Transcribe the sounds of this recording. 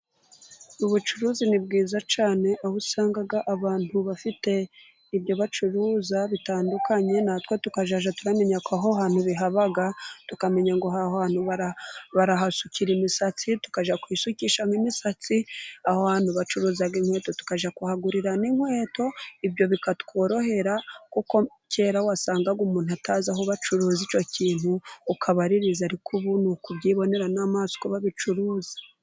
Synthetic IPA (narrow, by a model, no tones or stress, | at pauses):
uβut͡ʃuɾuːzinib̚ɡiːzat͡ʃaːne̞ʔahusaːŋɡaɡaʔaβaːn̥huβafite̞ | ibjo̞βat͡ʃuɾuːzaβitaːndukʰaɲe̞naːtwotukaʒaʒatuɾame̞ɲakaɦoɦaːn̥huβiɦaβaɡatukame̞ɲaŋɡoɦahoaːn̥huβaɾaβaɾaɦasuciɾimisat͡situ̥kaʒakwisuciʃamwimisat͡siahohaːn̥huβat͡ʃuɾuːzaɡiŋ̥we̞ːto̞tu̥kaʒakuhaɡuɾiɾaniŋwe̞ːto̞ibjo̞βikatkʰo̞ːɾo̞he̞ɾakuko | cʰe̞ːɾawasaːŋɡaɡumuːn̥uataːzaɦoβat͡ʃuɾuːzit͡ʃo̞ciːn̥huːkʰaβaɾiɾizaɾikʰuβunukuβɟiːβo̞ne̞ɾanaːmaːzi̥koβaβit͡ʃuɾuːzḁ